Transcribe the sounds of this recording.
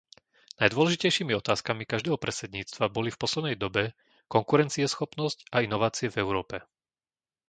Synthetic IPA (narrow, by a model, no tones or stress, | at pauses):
najd̪ʊʋɔlɛʒicɛjʃiːmiɔt̪aːskamikaʒd̪ɛːɦɔpɾɛsɛd̪ɲiːt͡st̪ʋabɔlifpɔslɛd̪nɛjd̪ɔbɛ | kɔŋkuɾɛnt͡siɛsxɔpnɔscainɔʋaːt͡siɛvɛʊɾɔːpɛ